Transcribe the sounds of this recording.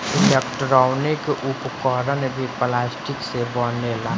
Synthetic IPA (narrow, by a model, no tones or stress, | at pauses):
ɪlekʈɾaːwnekeʔʊpkɔːɾənbʱiplaːsʈɪksebɔneːlaː